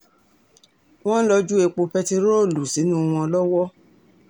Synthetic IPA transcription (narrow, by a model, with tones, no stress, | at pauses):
w̃ɔ̃˦lɔ˧d͡ʒu˦e˧k͡po˧fɛ˦ti˧ɾo˦˨lu˨si˨˦nũ˦˧w̃ɔ̃˧lɔ˦wɔ˦